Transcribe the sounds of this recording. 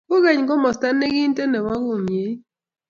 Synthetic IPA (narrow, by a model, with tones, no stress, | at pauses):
kʊ˦ɣa˨ɲ˨ɡɔ˦mɔ˨sta˦nːe˦ɡi˦n˦te˦nɛ˨wa˦kʊ˦˨mje˨˦